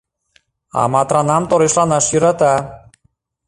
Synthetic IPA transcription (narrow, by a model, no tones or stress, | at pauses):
ɑ̰mɑt̪ɾɑnɑmt̪oɾeʃlˠɑnɑʃjyɾɑt̪ɑ